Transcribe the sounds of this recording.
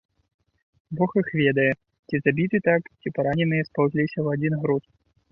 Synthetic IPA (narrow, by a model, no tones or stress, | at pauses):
bɔxixvʲɛd̪ɐjɛ | t͡sʲizabʲit̪ɨt̪akt͡sʲipaɾanʲɛnɨjɛspawzʲlʲisʲɐwad͡zʲinɣɾut̪